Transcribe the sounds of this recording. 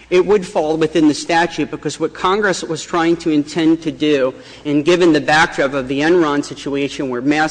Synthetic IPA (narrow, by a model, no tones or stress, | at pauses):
ɪt̚wədfɔlˠwɨθɪ̃nðɨstæt͡ʃʉt̚b̥ɨkʰʌzwʌt̚kʰɑ̃ŋɡɹɨswʌz̥tʰɹ̥aɪɪ̃ŋtʰɨɨ̃ntʰɛ̃ntʰɨdʉ | ɨ̃nɡɪvɨ̃nðɨbæk̚d̥ɹɨpʌvðiɛ̃nɹɑ̃nsɪt͡ʃueɪʃɨ̃nwə˞mæ